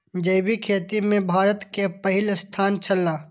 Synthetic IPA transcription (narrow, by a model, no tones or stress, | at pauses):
d͡ʒəɪbikʰeːt̪imẽbʱaːɾət̪kepɐɦɪlst̪ʰaːnt͡ʃʰɐlːaː